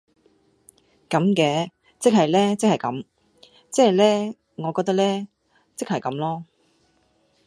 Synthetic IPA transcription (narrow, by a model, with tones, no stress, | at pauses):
kɐ˨˧mkɛː˨˧ | t͡sɪ˥k̚ɦɐ˨jlɛː˥t͡sɪ˥k̚hɐ˨jkɐ̰˨˥m | t͡sɛː˥˨jlɛː˥ | ŋɔː˨˧kɔː˧k̚t̪ɐ˥lɛː˥ | t͡sɪ˥k̚hɐ˨jkɐ˨˥mlɔː˥